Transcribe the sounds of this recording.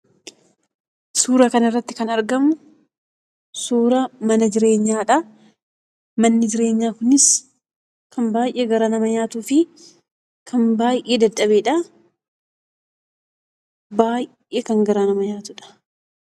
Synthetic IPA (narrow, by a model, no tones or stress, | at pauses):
suːɾɐkɐnɪrːɐt̪ːɪkɐnɐɾɡɐmʊ | suːɾɐmɐnɐd͡ʒɪɾe̞ːɲːaːᶑɐ | mɐnːɪd͡ʒɪɾe̞ːɲːaːkʊnɪs | kɐnbaːjʔeːɡɐɾaːnɐmɐɲaːt̪uːfɪ | kʰɐnbaːjʔeːd̪ɐdɐbeːᶑɐ | baːj | ʔeːkɐŋɡɐɾaːnɐmɐɲaːt̪ʊᶑɐ̥